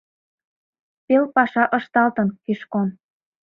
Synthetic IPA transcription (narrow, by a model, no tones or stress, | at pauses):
pelpɑʃɑʔɤ̆ʃt̪ɑlt̪ə̆nkiʃkon